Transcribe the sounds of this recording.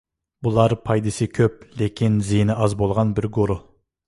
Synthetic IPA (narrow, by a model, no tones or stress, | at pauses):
bʊlˠɑɾpʰɑjd̪ɪsɪkʲʰøp̚lekʲɪnzijnɪʔɑzbolˠʁɑnbɪɾɡoɾo